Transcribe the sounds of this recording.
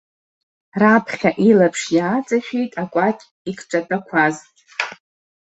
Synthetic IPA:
rapʰχʲaʔilapʰʂjaːt͡sʼaʃᶣejtʼakʷʼakʲʼ | ikʰʈ͡ʂʼatʼakʷʰaz

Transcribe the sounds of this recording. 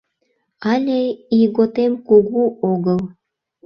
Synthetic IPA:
ɑlʲeiɣot̪emkuɣuʔoɣəl

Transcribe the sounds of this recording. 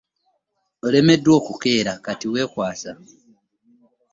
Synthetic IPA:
ole̞me̞dwo̞ːkuke̞ːɾakatiwe̞ːkwaːsa

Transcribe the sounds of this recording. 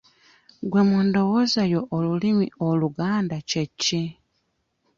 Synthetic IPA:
ɡwemundo̞wozajo̞ʔːlulimioluɡaːndacecːi

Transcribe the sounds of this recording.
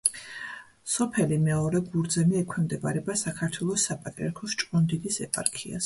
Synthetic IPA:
sɔpʰɛlimɛɔɾɛɡuɾd̪zɛmiɛkʰwɛmd̪ɛbaɾɛbasakʰaɾt̪ʰwɛlˠɔsːapʼat̪ʼɾḭaɾkʰɔst͡ʃʼqɔnd̪id̪isɛpʼa̰ɾkʰia̰s

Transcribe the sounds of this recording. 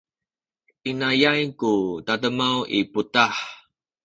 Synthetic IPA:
ʔinajajkutadəmawʔiputaħ

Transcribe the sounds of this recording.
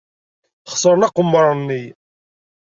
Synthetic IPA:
χsˤəɾˤnɑqʊmːəɾˤnːi

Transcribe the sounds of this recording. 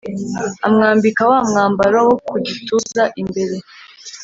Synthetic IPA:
amŋaːmbikawamŋaːmbaɾawokuɟituːzaʔimbe̞ɾe̞

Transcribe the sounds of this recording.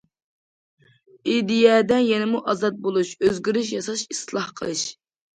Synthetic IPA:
id̪ijɛːd̪ɛnjɛnɪmuʔɑzɑt̪̚bolˠuʃøzɡʲyɾyʃjɑsɑʃi̥st̪ɨlˠɑhqʰə̰lˠɨʃ

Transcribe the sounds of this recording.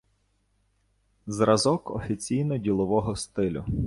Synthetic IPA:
zɾɐzɔkɔ̰fʲit͡sʲijnɔdʲilˠɔʋɔɦɔst̪ɪlʲʊ̰

